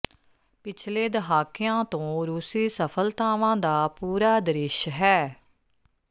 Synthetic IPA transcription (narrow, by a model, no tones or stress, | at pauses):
pɪt͡ʃʰleːd̪əɦaːkɪjãːt̪õːɾuːsiːsəpʰəlt̪aːʋãːd̪aːpuːɾaːd̪əɾɪʃɦɛː